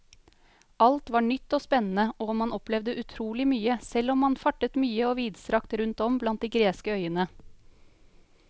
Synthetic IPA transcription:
ʔɑlt̪ʋɑːɳʏt̪ːoːspɛnn̩əoːmɑnɔplɛʋd̪əʔʉt̪ʰɾuːlɪmyːəsɛlɔmːɑnfɑʈət̪myːəoːʋiːd̪sɾɑkt̪ɾʉnt̪ɔmblɑnt̪̚d̪iːɡɾeːskəœʏənə

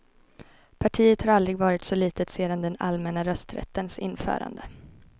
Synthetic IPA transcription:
pʰaʈʰiːət̪haɾald̪ɾɪɡvɑːɾɪt̪sɔliːt̪ət̪seːd̪and̪ɛna̰lmɛnaɾœst̪ɾɛ̰t̪ːənsɪ̰nfœ̰ːɾa̰nd̪ə

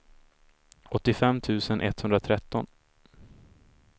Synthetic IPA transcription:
ɔt̪ːɪfɛmːt̪ʰʉ̟ːsənʔɛ̰t̪hɵnd̪ɾat̪ʰɾɛt̪ːɔn

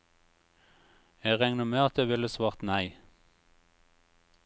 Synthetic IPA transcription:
eːʁɛŋnəmeːɑt̪̚d̪eːʋɪləsʋɑːʁt̪næɪ

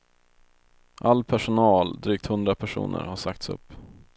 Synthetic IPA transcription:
ʔalːpʰæʂʊnɑːld̪ɾyːkt̪hɵnd̪ɾapʰæʂṵːnʔə̰ɾhaʂakt̪sɵ̰pː

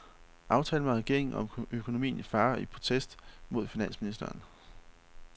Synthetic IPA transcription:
ʔɑ̈ʊt͡sʰɛːləmæʁɛɡ̥e̝ɐe̝ŋ̩ɒ̽møkʰo̝no̝mḭːn̩ifɑ̈ːipʰo̝t͡sʰesd̥mo̝ð̞̰ˠfinæn̰sminisd̥ɐːn

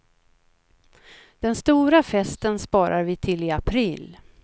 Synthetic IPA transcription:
d̪̥ɛnst̪uːɾafɛst̪ənspɑːɾaɾvɪt̪ʰɪlɪapʰɾiːl

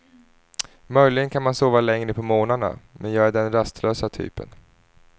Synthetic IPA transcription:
mœjlɪɡənkʰanmansoːvalɛŋɾəpʰɔmoːnaɳa̰mɛnjɑːɡæɖɛnɾast̪ʰløːsat̪ʰy̰ːpə̰n

